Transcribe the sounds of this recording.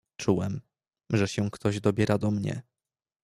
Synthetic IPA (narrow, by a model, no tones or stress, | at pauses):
t͡ʂuwɛm | ʐɛɕɛ̃kt̪ɔʑd̪ɔbʲjɛɾʔad̪ɔmɲɛ̰